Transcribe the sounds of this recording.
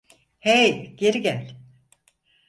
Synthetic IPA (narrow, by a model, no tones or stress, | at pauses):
hejɟ̥e̞ɾiɟælʲ